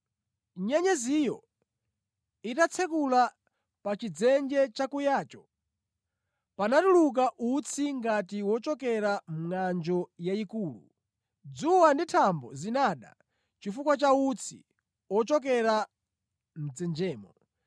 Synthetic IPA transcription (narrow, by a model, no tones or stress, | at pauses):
ɲɛɲɛzijɔ | itat͡sʰɛkula | pat͡ʃid͡zɛnd͡ʒɛt͡ʃakujaːt͡ʃɔ̥ | panatuluk̬aʔut͡sʰiŋɡatiwɔt͡ʃɔkɛɾam̩ŋand͡ʒɔjaikuːlṵ | d͡zuwanditʰambɔ̰zinaɗa̰ | t͡ʃifukwat͡ʃaut͡sʰḭ | wɔt͡ʃɔk̬ɛɾa | m̩d͡zɛnd͡ʒɛːmɔ